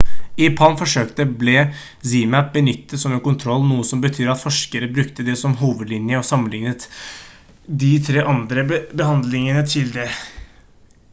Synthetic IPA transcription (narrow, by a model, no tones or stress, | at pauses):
ɪpʰɑnfɔʂøːkt̪əblɛ | zimæp̚bənʏt̪ːəsɔmɛnkʊnt̪ʰɾɔlːnuːəsɔmbət̪ʰyːɾɑt̪fɔʂkəɾəbɾʉkt̪əd̪ɛsɔmɦuːʋəd̪lɪnjəɔsɑmːənɪŋnət̪ | d̪ɪt̪ʰɾeːʔɑnd̪ɾəbəhɑnd̪lɪŋənət̪ʰɪld̪ɛ